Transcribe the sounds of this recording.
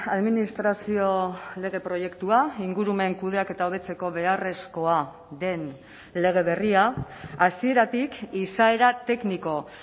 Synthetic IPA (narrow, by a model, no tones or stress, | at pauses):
aðminist̪ɾasio̞le̞ɣ̞e̞pɾo̞je̞kt̪uaiŋɡuɾume̞ŋkuð̞e̞ake̞t̪aoβ̞e̞t͡se̞ko̞βe̞are̞sko̞a | ðe̞n | le̞ɣ̞e̞βe̞riaːsie̞ɾat̪ikisae̞ɾat̪e̞kniko̞